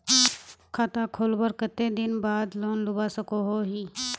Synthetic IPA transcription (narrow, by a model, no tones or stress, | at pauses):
kʰaːt̪akʰoːlbəɾkət̪ed̪ɪnbaːd̪loːnlʊbasəkoɦoɦiː